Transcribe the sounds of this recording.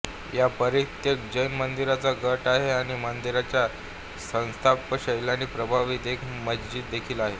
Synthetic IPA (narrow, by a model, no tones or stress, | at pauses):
japəɾit̪jek̚d͡ʑəjnmənd̪iɾat͡saɡəʈaɦeaɽ̃imənd̪iɾat͡ɕja | sə̃w̃st̪ʰapːəɕəjljaniːpɾəbʱaʋit̪ekməd͡ʑd͡ʑiːt̪̚d̪ekʰiːlaɦe